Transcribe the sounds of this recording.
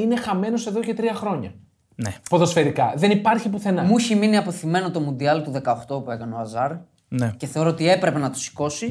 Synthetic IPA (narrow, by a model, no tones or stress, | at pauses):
ine̞xɐme̞no̞se̞ðo̞ce̞t̪ɾiɐxɾo̞ɲɐ̰ | nepo̞ðo̞sfe̞ɾikɐðe̞nipɐɾçipuθe̞nɐmuçiminiɐpo̞θime̞no̞t̪o̞mund̪iɐlt̪uðe̞kɐoxt̪opue̞kɐneoɐzɐɾ | neceθe̞o̞ɾo̞ot̪ie̞pɾe̞pe̞nɐt̪o̥si̥ko̞si